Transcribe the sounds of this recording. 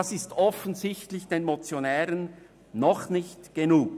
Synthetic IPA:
ɑsɪstɔfənzɪçtlɪçd̥eːnmot͡sjonɛːɾənː | ɔχnɪçtɡ̥enuːk̚

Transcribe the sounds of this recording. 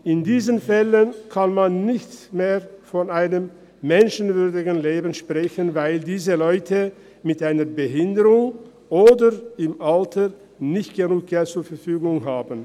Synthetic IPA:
ʔɪndiːzənfɛlənkʰanmanːɪçtmeːfɔnaɪnəmː | ɛnʃən̩vʏɐdɪɡn̩leːbən̩ʃpʁ̥ɛçənvaɪldiːzəlɔʏtʰə | mɪtʔaɪnɐɐbəɦɪndəʁʊŋ | ʔoːdəɪmʔaltʰə | nɪçtɡ̥ənuːk̚ɡ̥ɛltt͡suːɐfɛɐfyːɡʊŋɦaːbn̩

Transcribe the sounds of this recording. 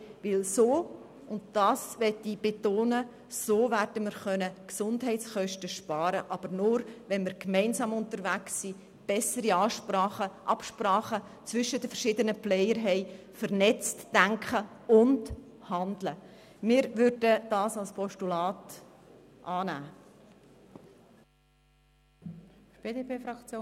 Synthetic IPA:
ʋɪlsoː | ʊntd̥ɑːsʋɛtib̥etoːnə | soːværdəmɪɾχœnəksʊndɦɛɪtsχœʃtəʃpɑːɾəʔɑb̥əɾnʊɾʋɛnmɪɾkmɛɪnsɑːmʊntəɾʋæksːi | b̥ɛsəɾiɑʃɑəʔɑpʃpɾɑːχə | t͡sʋʏʃːədəfəɾʃɪdənəplɛɪəɾɦɛɪ | fəɾnɛt͡std̥æŋkχəʊnd | hɑndlə | mɪːɾvʏɾd̥əd̥ɑːsɑlspʰɔʃtulɑːt | ʔɑːnæː | b̥eːdepeːfɑkt͡sjo

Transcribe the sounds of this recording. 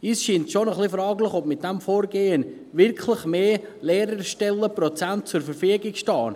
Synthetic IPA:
iːsʃiːntʃonəχlifɾɑːɡlɪχɔp̚mɪt̚d̥ɛmfoːɾɡeːən | vɪɾkʰlɪχmeːleːɾəɾʃtɛlːəprɔt͡sant̚t͡sʊɾfəɾfyəɡɪkʃtɑːn

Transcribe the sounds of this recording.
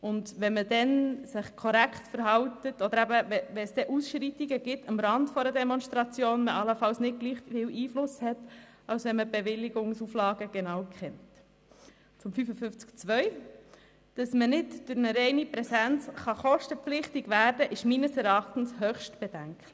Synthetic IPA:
ʔʊndʋɛnmədɛnsɪχkʰɔɾækχtfəɾɦɑltətɔd̪əɾæbəvɛʋɛnsd̥ɛʔusʃɾitiɡəɡ̥ɪtɑmɾɑndfɔɾədɛmɔnstɾɑt͡sjoːnməʔɑləfɑlsnɪt̚ɡ̥liːχfiːwʔiːflʊshɛtɑlsʋɛnməb̥eʋɪlːiɡʊŋsuflɑːɡəɡ̥enɑwkχɛnt | t͡sʊmfyfəfʏft͡skt͡sʋœʏ | d̥ɑsmənɪtd̥ʊɾnəɾɛɪnipɾɛsænt͡sχɑχɔʃtəpp͡flɪχtiɡʋæːɾdəʔɪʃmiːnəsɛɾɑχtn̩shœːχʃtb̥ɛd̥æŋkl

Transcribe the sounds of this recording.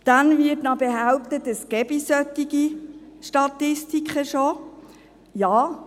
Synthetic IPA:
d̥ænvɪtnɑbeɦaʊp̚t̪ətəskɛbisœt̪ːiɡiʃtɑt̪ɪstikχəʃo | jɑː

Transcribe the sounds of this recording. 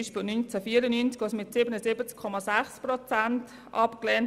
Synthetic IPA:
ʃpɪlnynt͡sɛfiːəɾənynt͡skɑsmɪtsɪːbənəsɪbət͡skʰːɔmɑsæχsprɔt͡sant | ʔɑpklɛːn

